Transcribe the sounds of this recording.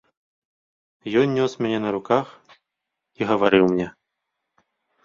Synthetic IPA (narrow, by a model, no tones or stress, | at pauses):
jɔnʲːɔsmʲanʲɛnɐɾukax | iɣɐvaɾɨwmnʲɛ